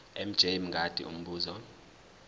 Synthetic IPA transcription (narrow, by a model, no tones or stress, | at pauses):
ɛm̩d͡ʒ̥ʱeim̩ŋɡʱad̥ʱʼḭʔṵm̩ɓuːzɔ